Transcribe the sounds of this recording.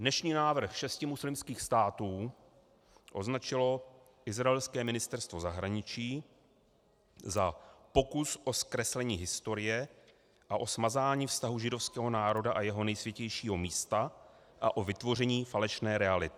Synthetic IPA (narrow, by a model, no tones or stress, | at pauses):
dnɛʃɲiːnaːvr̩xʃɛscɪmuslɪmskiːxst̪aːt̪uː | ʔo̞znat͡ʃɪlo̞ | ʔɪzɾaɛlskɛːmɪnɪst̪ɛɾst̪vo̞zaɦɾaɲɪt͡ʃiː | zapo̞kusʔo̞skɾɛslɛɲiːɦɪst̪o̞ɾɪjɛ | ʔaʔo̞smazaːɲiːfst̪aɦuʒɪdo̞fskɛːɦo̞naːɾo̞daʔajɛɦo̞nɛjsvʲjɛcɛjʃiːɦo̞miːst̪a | ʔa̰ʔo̞vɪt̪vo̞rɛɲiːfalɛʃnɛːɾɛalɪt̪ɪ